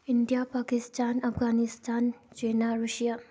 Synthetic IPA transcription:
ɪɳɖijapaːkɪst̪aːnɐfɡaːnɪst̪aːnt͡ʃeːnaɾuʃija

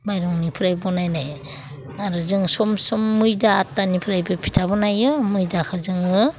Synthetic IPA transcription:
majɾɔŋnipʰɯɾajbɔnajnaj | aɾɯzɯŋsɔmsɔmːɯjdaːtːanipʰɯɾajbɯpʰi̥tʰabɔnajɯmɯjdakʰazɯŋɯ

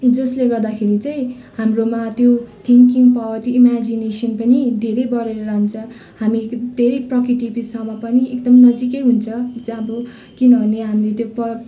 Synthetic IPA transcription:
d͡zʌsleɡʌrd̪akʰeɾit͡saĩ | hamromat̪jot̪ʰiŋkiŋɡpʌbʱʌt̪iimad͡zinesʌnpʌnid̪ʱeɾʌjbʌɾeɾʌɾaɦnt͡sʰʌ̃ | hamid̪ʱeɾʌjprʌkrit̪ipisʌmʌpʌniekd̪ʌmnʌd͡zikʌjɦunt͡sʰʌd͡zʌbʌ | kinʌbʱʌneɦamilet̪jopʌ

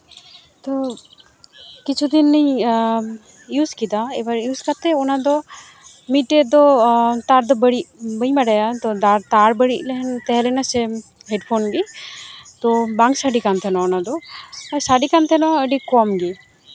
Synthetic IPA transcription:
t̪ɔ | kit͡ʃʰud̪inːij | juskid̪aɛbaɾjuskat̪ɛɔnad̪ɔ | miʈɛd̪ɔt̪aɾd̪ɔbəɽiʔbəjmaɖajat̪ɔd̪aɾt̪aɾbəɽiʔlɛɦɛnt̪ɛɦɛlɛnasɛ | ɦeɖpʰonɡi | t̪ɔbaŋksaɖikant̪ʰɛnɔɔnad̪ɔasaɖikant̪ʰɛnɔəɖikɔmɡi

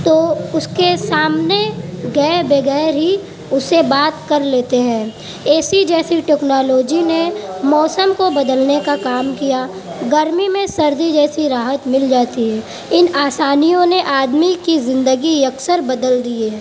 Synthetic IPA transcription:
t̪oːʊskesaːmneɡɛːbɐɡɛːɾɦi | ʊsebaːt̪kɐɾleːt̪eɦɛ̃ː | eːsid͡ʒɛːsiʈɛːknaːloːd͡ʒinemɔːsəmkobɐd̪əlnekakaːmkija | ɡəɾmimẽsɐɾd̪id͡ʒɛːsiɾaːɦət̪mɪld͡ʒaːt̪iɦɛː | ɪnaːsaːnijõneʔaːd̪mikizɪ̃nd̪əɡiɐksəɾbɐd̪əld̪ieɦɛː

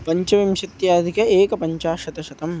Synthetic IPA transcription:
pɐɲt͡ʃɐʋimʃɐt̪jaːd̪ʱikɐeːkɐpɐɲt͡ʃaːʃɐt̪ɐʃɐt̪ɐm

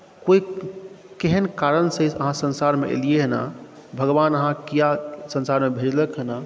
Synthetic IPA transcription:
koi | keɦənkaɾənsəsə̰ɦãsə̃nsaɾmeʔḛlijeɦəna̰ | bʱəɡbanəɦãkijasə̃nsaɾmebʱed͡ʒləkɦəna

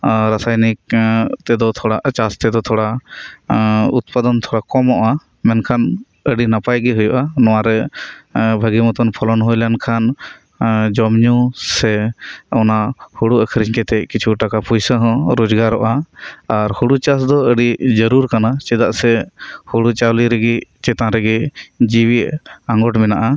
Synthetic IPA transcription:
ɾasajnik̚t̪ɛd̪ɔt̪ʰɔɽaʔt͡ʃast̪ɛd̪ɔt̪ʰɔɽa | ut̪̚pad̪ɔnt̪ʰɔɽakɔmɔʔa | mɛnkʰan | əɖinapajɡɛɦujɔʔanɔwaɾɛ | bʱəɡimɔt̪ɔnpʰɔlɔnɦujlankʰan | d͡ʒɔmɲusɛɔnahuɽuəkʰɾiɲkɛt̪ɛʔ̚kit͡ʃʰuʈakapujsaɦɔ̃ɾɔd͡ʒɡaɾɔʔaː | ɾhuɽut͡ʃasd̪ɔəɖid͡ʒəɾuɾkanat͡ʃɛd̪aʔsɛhuɽut͡ʃawliɾɛɡɛt͡ʃɛt̪ãɾɛɡɛd͡ʒiwiʔãŋɡɔʈmɛnaʔa

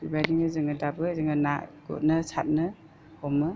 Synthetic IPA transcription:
ibajdiŋɯzɯŋadabɯzɯŋanaɡ̥ɔ̰t̚nɯsat̚nɯ | hɔmɯ

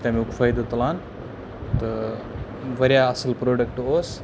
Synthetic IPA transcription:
t̪ʲamiukfʰajd̪ot̪lan | t̪ə | ʋɐɾjaəsəlpɾoːɖək̚ʈos

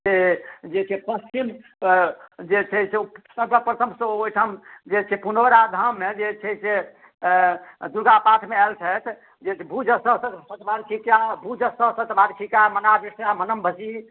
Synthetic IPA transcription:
sed͡ʒet͡ʃʰɛpəst͡ʃim | d͡ʒet͡ʃʰɛsesəmpəpɾət̪ʰəmsoʈʰəmd͡ʒet͡ʃʰɛpunoɾad̪ʱəmːed͡ʒet͡ʃʰɛse | d̪uɾɡapat̪ʰmeɛlt͡ʃʰɛt̪ʰ | d͡ʒet͡ʃʰɛbʱud͡ʒəsəɦsət̪sət̪baɾkʰikabʱud͡ʒəsəsət̪bʱaɾkʰikamənabisjamənəmbʱəsi

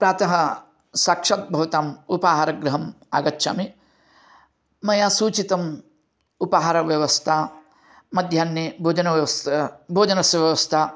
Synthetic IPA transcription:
pɾaːt̪ɐɦɐ | saːkʂɐt̪̚bʱɐʋɐt̪aːmupaːɦaɾɐɡɾɐɦɐm | aːɡɐtːʃa̰ːmi | mɐjaːsuːt͡ʃit̪ɐm | upaːɦaːɾɐʋjɐʋɐst̪ʰa | mɐd̪ʱjaːnːjebʱoːd͡ʒɐnɐʋsbʱoːd͡ʒɐnɐsjɐʋjɐʋɐst̪ʰa

